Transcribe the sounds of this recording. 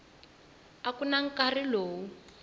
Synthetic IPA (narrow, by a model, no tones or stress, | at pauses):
akunaŋ̩kariloːwu